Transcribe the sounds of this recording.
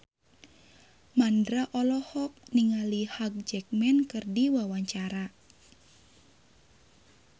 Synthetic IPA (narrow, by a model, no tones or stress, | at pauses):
mandɾaʔɔlɔhɔk̚niŋalihaɡ̚d͡ʒɛk̚mɛnkɨrdiwawaɲt͡ʃaɾa